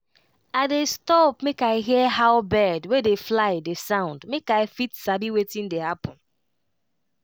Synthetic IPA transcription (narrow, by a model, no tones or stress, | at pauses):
adestɔpmekaɪɦiəɦaʊbɛdwedeflaɪdesãʊ̃ndmekaɪfitsabiwetĩn̩dehapʊ̃n̩